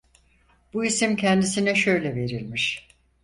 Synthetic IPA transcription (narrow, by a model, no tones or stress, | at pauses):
b̥uisimcʰɛnd̪isinɛʃø̞jlʲɛve̞ɾilʲmiʃ